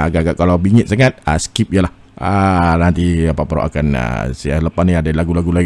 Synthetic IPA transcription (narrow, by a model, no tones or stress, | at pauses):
aɡaʔɡaʔkalawbiŋɪt̪̚saŋat̪̚əsə̥kip̚ijəlah | ənant̪iapapɾo̰ʔa̰kanə̰sialəpaniadalaɡulaɡulaɡi